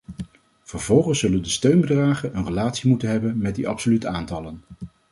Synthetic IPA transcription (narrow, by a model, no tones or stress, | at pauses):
v̥əɹvɔlˠχənsːɵləndəstøɥnbədraːχənənrəlaːtsimutənɦɛbənmɛt̚diʔɑpsolytəaːntɑlən